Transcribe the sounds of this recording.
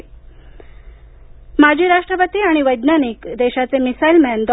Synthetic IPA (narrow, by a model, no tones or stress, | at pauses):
mad͡ʑʱiːɾaʂʈɾəpət̪iːaɽ̃iʋəjd̪naniːkd̪eɕat͡semisajlmɛnd̪